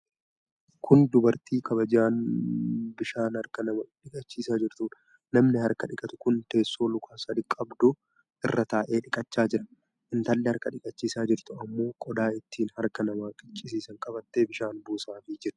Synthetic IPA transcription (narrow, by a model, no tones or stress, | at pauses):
kʰʊnd̪ʊbɐɾt̪ʰiːkʰɐβɐd͡ʒaːn | bɪʃaːnhɐɾkɐnɐmɐᶑɪkʼɐt͡ʃːiːsaːd͡ʒɪɾt̪uːn | nɐmnɪhɐɾkɐᶑɪkʼɐt̪ʊ̥kʊnt̪e̞ːsːo̞ːlʊkʰaːsɐd̪ɪkʼːɐbd̪ʊ | ʔɪrːɐt̪aːʔe̞ːᶑɪkʼɐt͡ʃːaːd͡ʒɪɾɐ̥ | ʔɪnt̪ɐlːɪhɐɾkɐᶑɪkʼɐt͡ʃːiːsaːd͡ʒɪɾt̪ʊɐmːo̞ːkʼɔd̪aːɪt̪ːiːnhɐɾkɐnɐmaːkʼɪt͡ʃʼːɪs̬iːsɐŋkʼɐbɐt̪ːeːbɪʃaːnbuːsaːfɪd͡ʒɪɾ